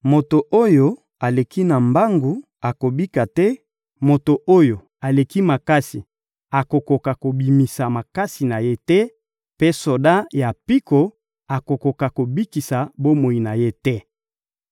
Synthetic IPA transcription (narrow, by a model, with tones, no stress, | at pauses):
mo˨to˨ʔo˦jo˨ | a˨le˨ki˦na˨mba˦ŋɡu˨ | a˨ko˨bi˦ka˨tɛ˦ | mo˨to˨ʔo˦jo˨ | a˨le˨ki˦ma˨ka˦si˨ | a˨ko˨ko˨ka˨ko˨bi˨mi˨sa˨ma˨ka˦si˨na˨je˦tɛ˦ | pe˦so˨da˦ja˨pi˦ko˨ | a˨ko˨ko˨ka˨ko˨bi˦ki˨sa˨bo˦mo˨i˨na˨je˦tɛ˦